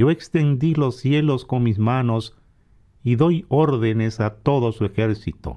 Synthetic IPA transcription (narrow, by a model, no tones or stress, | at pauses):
o̞ekst̪end̪ilo̞sːje̞lo̞skonmismanos | iðojoɾðene̞sat̪o̞ðo̞sue̞xeɾsit̪o̰